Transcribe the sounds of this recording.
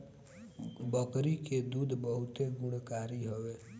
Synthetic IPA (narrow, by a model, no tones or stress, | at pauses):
bəkɾiked̪uːd̪bəɦʊt̪eɡʊɽkaːɾiɦəʋe